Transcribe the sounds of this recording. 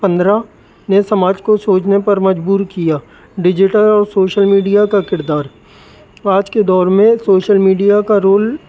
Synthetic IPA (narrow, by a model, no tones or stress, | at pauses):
pɐ̃nd̪ɾa | nesɐmaːd͡ʒkosoːt͡ʃnepɐɾmɐd͡ʒbuːɾkijaː | ɖɪd͡ʒɪʈəlɔːɾsoːʃəlmiːɖijakakɪɾd̪aːɾ | aːd͡ʒked̪ɔːɾmẽsoːʃəlmiːɖijakaɾoːl